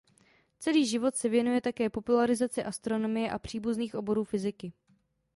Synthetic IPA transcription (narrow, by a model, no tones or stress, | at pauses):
t͡sɛliːʒɪvo̞t̪sɛvjɛnujɛt̪akɛːpo̞pulaɾɪzat͡sɪʔast̪ɾo̞no̞mɪjɛʔapr̝̥iːbuzniːxʔo̞bo̞ɾuːfɪzɪkɪ